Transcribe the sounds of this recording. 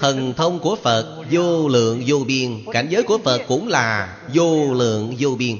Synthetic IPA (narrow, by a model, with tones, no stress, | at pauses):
t̪ʰə˨˩nt̪ʰə˧wŋ͡mku˧˩əfə˨˩t̚zo˧lɨ̰˧˨əŋzo˧ɓi˧ənka̰˧˩jŋ̟zəː˨˦jku˧˩əfə˨˩t̚kʊ̰˧˥ŋ͡mlaː˨˩ | zo˧lɨ̰˧˨əŋzo˧ɓi˧ən